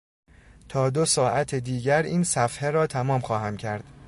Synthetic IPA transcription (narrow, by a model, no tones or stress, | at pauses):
t̪ʰɒːd̪o̞sɒːʔæt̪ʰed̪iːɟæɾiːnsæfheɾɒːt̪ʰæmɒːmxɒːhæmcʰæɾd̪̥